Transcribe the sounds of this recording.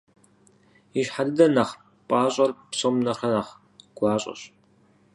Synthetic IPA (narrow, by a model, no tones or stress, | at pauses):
iʃħadɨdɐnɐχ | pʼaːɕʼɐrpɕʼomnɐrɐnɐχ | ɡ̥ʷɑːɕʼɐ̰ɕ